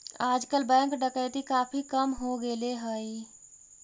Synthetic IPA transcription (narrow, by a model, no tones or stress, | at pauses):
ad͡ʒkəlbɛ̃ŋkɖəkəɪt̪ikapʰikəmɦoɡeleɦəj